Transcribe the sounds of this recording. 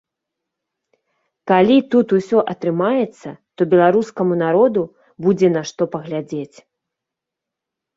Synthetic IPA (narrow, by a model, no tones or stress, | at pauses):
kalʲit̪ut̪usʲɔʔɐt̪ɾɨmajɛt̪sːɐt̪ɔbʲɛlˠaɾuskɐmunaɾɔd̪u | bud͡zʲɛnɐʂt̪ɔpɐɣlʲad͡zʲet͡sʲ